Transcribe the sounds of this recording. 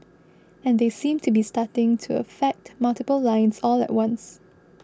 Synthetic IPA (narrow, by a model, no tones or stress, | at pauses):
ɛ̃nd̪esĩmtʰubistatɪ̃ŋtʰuə̰fɛk̚tmaltɪpəllãɪ̃nsɔlɛ̰t̚wãns